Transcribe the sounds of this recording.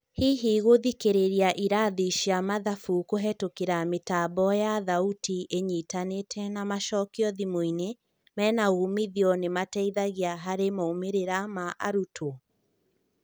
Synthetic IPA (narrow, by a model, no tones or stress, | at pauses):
hiɦiɣoðikeɾeɾiaʔiɾaðiʃiamaðafukoɦɛtokeɾametaːbɔjaðautʰiʔeɲiːtanetʰɛnamaʃɔkiɔðimoine | mɛːnaumiðiɔnematɛiðaɣiaɦaɾemaomeɾeɾamaʔaɾutʰo